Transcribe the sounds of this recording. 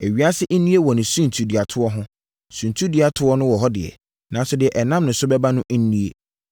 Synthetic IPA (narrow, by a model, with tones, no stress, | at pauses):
e˨ɥi˦a˦sɪ˦ʔnĩ˦e˦wɔ˨nɪ̃˨sũ˦n˨tʰu˨di˨a˨tʰʊ˦ɔ˦ɦʊ̃˦ | sũ˨n˨tʰu˦di˨a˨tʰʊ˨˦ɔ˦nʊ̃˦wɔ˨ɦɔ˦dɪ˨ɛ̰˨ | nã˨˦n˦sʊ˨dɪ˨ɛ˨ʔɛ˨nã˦mnʊ̃˨˦sʊ˦bɛ˦ba˦nʊ̃˦ʔ̩˦nĩ˦e˦